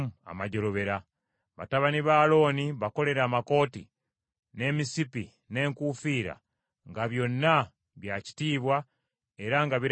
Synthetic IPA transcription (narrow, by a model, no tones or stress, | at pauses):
a̰maɟo̞lo̞βe̞ɾa | βa̰taβaniβaːlo̞ːniβako̞le̞ɾaːmako̞ːtḭ | ne̞misipi | ne̞ːŋkufiːɾa̰ | ŋɡaβjo̞nːa | βjaci̥tiːβwa | e̞ɾaŋɡaβiɾ